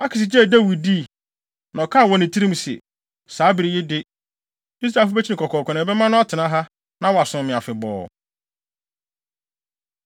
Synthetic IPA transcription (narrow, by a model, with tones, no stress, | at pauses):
a˦kʰɪ˨s̬ɪ˨d͡ʑɛ˦˨da˦wi˨d̚di˦˨ | nã˨ɔ˨kʰa˦˨wɔ̃˨nɪ̃˨tʰi˦ɾĩ˦msɪ̰˨ | saː˨˦bɪ˨ɾi˨jɛ˦dɪ˦ | di˦s̬ɾa˨fʊ˦bɛ˦t͡ɕʰi˦nɪ̃˨kʰɔ˨kʰɔː˨kʰɔ˨nɛ̃˨bɛ˦mã˦nʊ̃˦a˦tʰɪ˨nã˦ɦa˦ | nã˦wɔ˨a˨sʊ̃˨mɪ̃˨a˨fɪ˨bɔ̰ː˨